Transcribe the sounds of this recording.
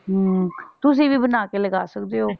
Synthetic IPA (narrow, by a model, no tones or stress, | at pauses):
ɦt̪ʊs̬ĩːʋiːbənaːkeləɡaːsək̚d̪eːɦoː